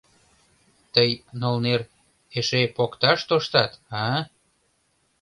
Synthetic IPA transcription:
t̪əjnolner | eʃepokt̪ɑʃt̪oʃt̪ɑt̪ɑ

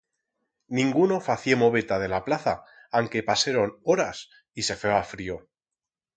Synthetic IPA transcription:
nĩŋɡuno̞faθjemo̞βe̞t̪að̞e̞laplaθa | aŋke̞paseɾo̞noɾas | ise̞feafɾio̞

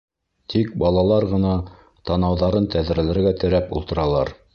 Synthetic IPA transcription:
t̪ik̚bɑlˠɑlˠɑɾʁɤ̆nɑ | t̪ɑnɑwðɑɾɤnt̪æð̆ɾæ̆lɘ̆ɾɡæt̪ɘ̆ɾæpṵlˠt̪ɤ̆ɾɑlˠɑ̰ɾ

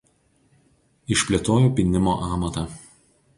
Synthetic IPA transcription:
ɪʃʲpʲlʲet̪oːjoːpʲɪnʲɪmoːʔɑːmɐt̪ɐ

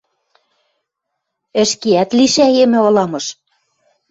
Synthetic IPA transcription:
ɘ̆ʃkiæt̪liʃæemɘ̆olɑmɤ̆ʃ

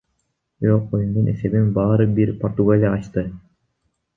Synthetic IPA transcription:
øojund̪unɛsɛbinbɑːɾɯbiɾpoɾt̪uɡalʲiaːʃt̪ɯ

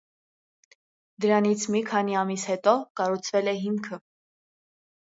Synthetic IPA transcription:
d̪əɾɑnit͡sʰmikʰɑniɑmishɛt̪ɔkɑrut͡sʰvɛlɛɦiŋkʰə

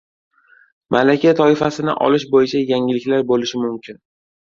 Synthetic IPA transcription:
mʔalakʲat̪ʰɒɪfasɪnɪ̰ʔɒ̰lɪʃbojɪt͡ʃʰajaŋɪlːɪkʲlaɾbolɪʃɪmʊmkʲʰɪn

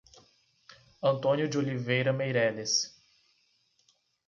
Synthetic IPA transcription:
ɐ̃nt̪õnjʊd͡ʒɪolivejɾɐmejɾɛles

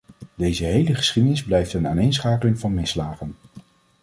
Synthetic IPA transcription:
dejzəɦejləχə̥sχidənɪzblɛjftənaːnejnsχaːkəlɪŋvɑnmɪslaːχən

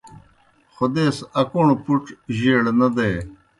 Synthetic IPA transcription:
xod̪eːsɐkoːɳpuʈʑiːɽnɐd̪eː

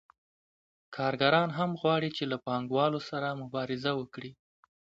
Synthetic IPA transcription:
kʰɑɾɡaɾɑnɦamɣwɑɽit͡ʃelapɑŋɡwɑlosaɾamʊbɑɾɪzawəkɽi

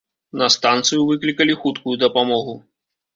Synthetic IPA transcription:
nɐst̪ant̪sɨjuvɨklʲikɐlʲixut̪kujud̪ɐpamɔɣu

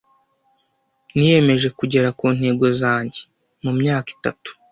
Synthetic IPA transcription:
nije̞me̞ʒe̞kuɟe̞ɾakuːnhe̞ːɡo̞zaːɲɟe̞ | mumɲaːki̥ta̰tu̥

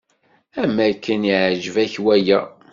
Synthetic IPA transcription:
æmækːəniʕʒəvæçwæjæ

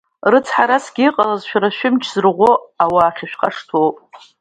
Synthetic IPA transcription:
rɨt͡sʰħaɾasɡʲiiqʼalazʃᶣɾaʃᶣɪmt͡ʃʰz̥ɨrʁʷoawaːχʲaʃᶣqʼaʂtʰowpʼ

